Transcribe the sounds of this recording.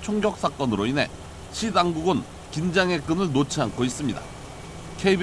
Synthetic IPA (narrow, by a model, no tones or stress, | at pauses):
t͡ɕʰoŋɡjʌk̚s͈ak͈ʌnɯɾoinɦe̞̰ | ɕʰidaŋɡuɡɯn | kind͡ʑaŋe̞k͈ɯnɯɭnot͡ɕʰiɦankʰois͈ɯmɲida̰ | kʰe̞ib